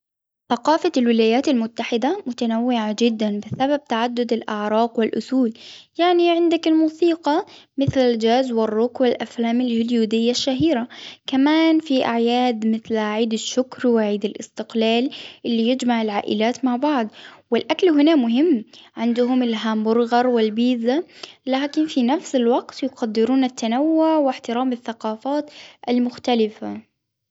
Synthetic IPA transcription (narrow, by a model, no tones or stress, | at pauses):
θaqɑːfalwɪlaːjaːt̪almʊt̪ːaħɪd̪amʊt̪anawːɪʕad͡ʒɪd̪ːanbɪsabab̚t̪aʕad̪ːʊd̪ɪlʔaʕɾˤɑːqwɪlʔʊ̰θuːljaʕniʕɪnd̪akɪlmuːsiːqɑmɪθlald͡ʒaːzwɪrˤːʊkwɪlʔaflaːmɪlhɪljuːd̪ɪjːaʃːaɦiːɾakamaːnfiʔaʕjaːd̪mɪθlʕiːd̪aʃːʊkɾwɪʕiːd̪ɪlʔɪ̰st̪ɪqlaːlʔɪlːijɪd͡ʒmaʕɪlʕaːʔɪ̰laːt̪maʕbɑʕd̪ˤwɪlʔaklɦʊnamʊɦɪmːʕɪnd̪ʊɦʊmɪlɦambʊɾˤɣɑɾˤwɪlbiːzalaːkɪnfinafsɪlwaɡt̪jʊqad̪ːɪɾuːnat̪ːanawːʊʕwɪħt̪ɪɾaːmɪθːaqɑːfaːt̪ʔalmʊxt̪alɪfa